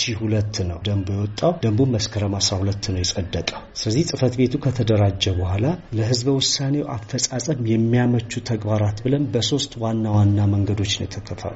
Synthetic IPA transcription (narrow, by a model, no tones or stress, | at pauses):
ʃihulət̪ːnəwd̪əmbojɛwɔt̪ʼːawd̪əmbumːəskʰəɾəmasɾahulət̪ːnəwjɛsʼəd̪ːət̪ʼawsɨləzːihsʼɨfət̪be̞t̪ʰukʰət̪ʰəd̪əɾad͡ʒːɛbəhalaləɦɨzbəwʊsːane̞wʔafːəsʼasʼəmjɛmːijamət͡ʃːut̪ʰəɡbaɾat̪bɨlənbəso̞st̪wanːawanːaməŋɡəd̪o̞t͡ʃːnjɛt̪ʰːəkʰəfə̰ɾ